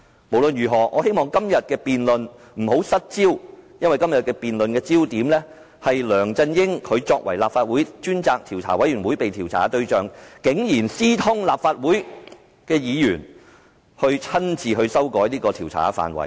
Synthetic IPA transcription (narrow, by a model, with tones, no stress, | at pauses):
mo˨˩wlɵ˨˧njyː˨˩ɦɔː˨ŋʔɔː˨˧he˥jmɔː˨˩ŋkɐ˥mjɐ˨t̚kɛː˧piː˨nlɵ˨n | m̩˨˩ho˨˥wsɐ˥t̚t͡siː˥wjɐ˥nwɐ˨jkɐ˥mjɐ˨t̚kɛː˧piː˨nlɵ˨nkɛː˧t͡siː˥wt̪iː˨˥mlɛː˥ | hɐ˨jlœː˨˩ŋt͡sɐ˧njɪ˥ŋkʰɵ˨˧t͡sɔː˧k̚wɐ˨˩jlaː˨pfaː˧t̚wuː˨˥jt͡ʃyː˥nt͡saː˧k̚t̪ʰiː˨˩wt͡sʰaː˨˩wɐ˨˥jɥyː˨˩wuː˨˥jpe˨jt̪ʰiː˨˩wt͡sʰa̰ː˨˥t̪ɵ˧ɥt͡ʃœː˨˩ŋkɪ˨˥ŋjiː˨˩nsiː˥t̪ʰʊ˥ŋlaː˨p̚faː˧t̚wuː˨˥j | kɛː˧jiː˨˧jyː˨˩n | hɵ˧ɥt͡sʰɐ˥nt͡siː˨ɦɵ˧ɥsɐ˥wkɔː˨˥jliː˥kɔː˧t̪ʰi˨˩wt͡sʰa̰ː˨˥fa̰ː˨˩nwɐ̰˨˩j